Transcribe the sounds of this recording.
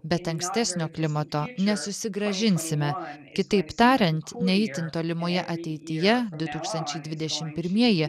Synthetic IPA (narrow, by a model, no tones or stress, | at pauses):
bʲɛt̪ɐŋksʲt̪ʲæːsʲnʲoːklʲɪmɐt̪oːnʲɛsʊsʲɪɡɾɐʒʲɪnʲsʲɪmʲɛkʲɪt̪ɐɪpt̪ɑːɾʲɛnʲt̪nʲɛɪt̪ʲɪnt̪oːlʲɪmoːjɛʔɐt̪ʲɛɪt̪ʲɪjɛd̪ʊt̪uːkst̪ɐnʲt͡ʃʲɛɪd̪ʋʲɪd̪ʲɛʃʲɪmpʲɪɾʲmʲiɛjɪ